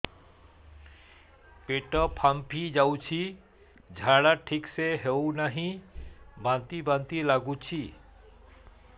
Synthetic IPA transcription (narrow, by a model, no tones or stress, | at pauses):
peʈɔpʰampʰid͡ʒawt͡ʃʰi | d͡ʒʱaɽaʈʰikseɦewnaɦĩ | bãnt̪ibant̪ilaɡut͡ʃʰi